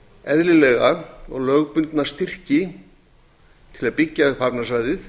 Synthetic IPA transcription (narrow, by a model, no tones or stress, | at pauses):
ɛðlɪlɛɣaɔɣlœɣpʏnt̪nḁst̪ɪr̥cɪ | t̪ʰɪlaðpɪcːafapnasvajðɪθ